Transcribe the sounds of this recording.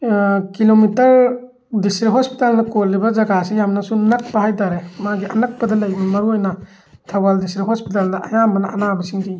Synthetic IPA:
kilomitɐɾ | distɾiɦospi̥talnɐkolːibɐzɐɡasijamnɐsunɐk̚pɐhajtaɾemaɡiʔɐnɐk̚pɐdɐlɐjbumɐɾuojnɐ | tʰɐwaldistɾiɦospitalnɐʔɐjambɐnɐʔɐnabɐsiŋdi

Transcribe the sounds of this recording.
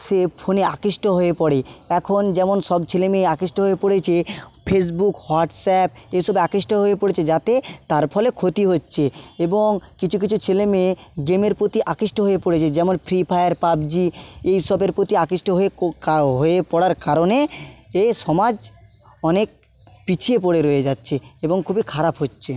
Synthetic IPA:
sepʰoneakiʃʈoɦoepɔɽeɛkʰond͡ʑɛmonʃɔbt͡ɕʰelemeːakiʃʈoɦoepoɽet͡ɕʰepʰes̬bukhoaʈsɛp̚eʃɔbakɾiʃʈoɦoepoɽet͡ɕʰed͡ʑat̪et̪aɾpʰɔlekʰot̪iɦotːɕʰeeboŋkit͡ɕʰukit͡ɕʰut͡ɕʰelemeɡemeɾpɾot̪iʔakiʃʈoɦoepoɽet͡ɕʰed͡ʑɛmonpʰɾipʰajaɾpabd͡ʑiejʃɔbeɾpɾot̪iakiʃʈoɦoeɦoepɔɽaɾkaɾoneeʃɔmad͡ʑ | ɔnek̚ | pit͡ɕʰiep̬oɽeɾoed͡ʑatːɕʰeeboŋkʰubikʰaɾapɦotːɕʰe

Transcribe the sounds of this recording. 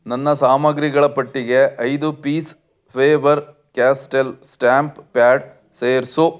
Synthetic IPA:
nɐnːɐsaːmɐɡɾiɡɐɭɐpɐʈːiɡe̞ʔɐjd̪upiːs | pʰeːʋɐɾ | kaːsʈelsʈaːmppjaːɖ | seːɾsu

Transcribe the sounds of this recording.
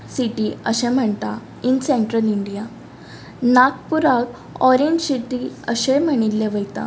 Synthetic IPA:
siʈiəɕẽm̤əɳt̪a | inseɳʈɾəliɳɖija | nak̚puɾak | ɔɾeɲd͡ʑsiʈiəɕem̤əɽ̃ilːeʋəjt̪a̰

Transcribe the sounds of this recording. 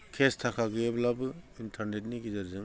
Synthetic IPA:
kʰestʰakʰaɡɯjeblabɯintʰaɾnet̚niɡizaɾzɯŋ

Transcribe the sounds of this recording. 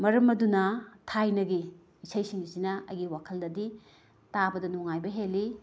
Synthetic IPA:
mɐɾɐmɐdunɐtʰajnɐɡiː | sɐjsiŋisinɐɐ̰jɡiwakʰɐldɐdi | tabɐdɐnuŋajbɐɦelːi

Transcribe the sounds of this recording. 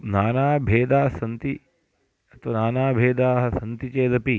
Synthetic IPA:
naːnaːbʱeːd̪aːsɐnt̪i | ɐt̪ʋɐnaːnaːbʱeːd̪aːɦɐ̆sɐnt̪it͡ʃeːd̪ɐpi

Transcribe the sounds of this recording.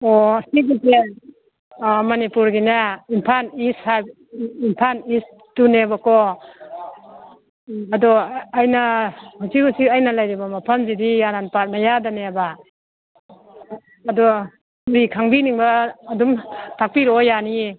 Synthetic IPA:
ɔasiɡise | mɐnipuɾɡinaimpʰanishaj | impʰanis | tunebakɔ | ɐdɔːjnahuzikusikajnalajɾibamapʰamzidijaɾanpat̚najadaneba | dɔ | uɾikʰaŋbiniŋbaːdumtʰak̚piɾojani

